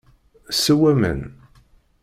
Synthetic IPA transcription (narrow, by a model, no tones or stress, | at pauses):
səwæmə̰n